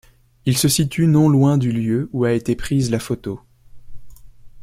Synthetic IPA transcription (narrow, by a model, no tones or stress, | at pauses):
ilsəsit̪ynɔ̃lwɛ̃d̪yljøuaet̪epχizlafot̪o